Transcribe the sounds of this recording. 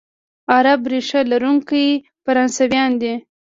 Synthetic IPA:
aɾabɾeʂalaɾuŋkaj | faɾɑnsawjɑnd̪i

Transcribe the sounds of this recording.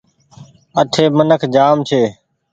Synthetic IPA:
əʈʰeːmənəkʰd͡ʒaːmt͡ʃʰeː

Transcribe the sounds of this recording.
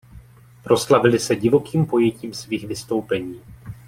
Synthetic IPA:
pɾo̞slavɪlɪsɛɟɪvo̞kiːmpo̞jɛciːmsviːɣvɪst̪o̞wpɛɲiː

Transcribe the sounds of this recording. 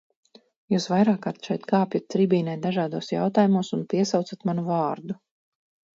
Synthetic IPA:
juːsvajɾaːkːaɾt̪ʃɛjt̪kaːpjat̪̚ʲsɾibʲiːnɛjt̪d̪aʒaːd̪uɔsja̰wt̪aːjumuɔsunpiɛsawt̪sat̪manuvɑːɾd̪u

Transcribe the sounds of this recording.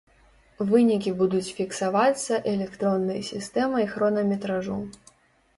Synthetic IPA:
vɨnʲikʲibud̪ut͡sʲfʲiksavat̪sːɐʔɛlʲɛkt̪ɾɔnːɐjɐsʲist̪ɛmɐixɾɔnɐmʲɛt̪ɾaʐu

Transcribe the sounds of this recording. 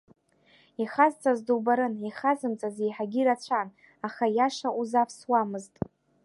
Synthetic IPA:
iχazt͡sʼazdowbaɾɨniχazɨmt͡sʼazejħaɡʲiɾat͡ɕʷʰan | aχajaʂaʔuzapʰswamɨztʼ

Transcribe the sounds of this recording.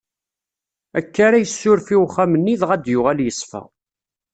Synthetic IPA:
ækːaɾæjəsːʊɾfiwχæmənːiðʁæd̪jʊʁæljəsˤfæ̰

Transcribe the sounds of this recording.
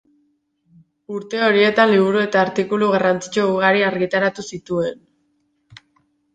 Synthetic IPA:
uɾt̪e̞o̞ɾie̞t̪anliβ̞uɾue̞t̪aːɾt̪ikuluɣarant͡si̥t͡ʃo̞uɣaɾiaɾɣit̪aɾat̪usit̪ue̞n

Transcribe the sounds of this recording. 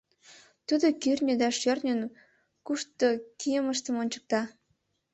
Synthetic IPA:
t̪ud̪okyrʲnʲød̪ɑʃørnʲən | kuʃt̪okijəməʃt̪ə̆monʲt͡ɕə̥k̚t̪ɑ

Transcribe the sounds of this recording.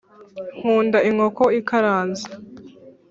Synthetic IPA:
ŋhuːndaʔiŋokoikaɾaːnza

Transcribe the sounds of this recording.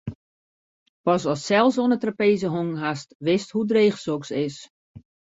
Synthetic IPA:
pɔsɔsːɛlˠsoənətrapeːzəɦoŋɦastʋɪsthudreːχsoksɪs

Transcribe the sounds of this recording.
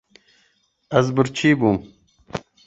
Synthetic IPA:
ɐzbuɾt͡ɕʰiːbuːm

